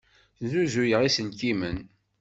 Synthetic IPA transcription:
zuzujəʁisənkimən

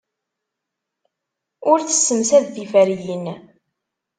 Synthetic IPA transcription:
ʊɾθə̥sːəmsæðːifæɾjən

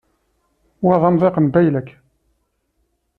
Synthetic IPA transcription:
wæðˤɑnðˤeqənbæjlækː

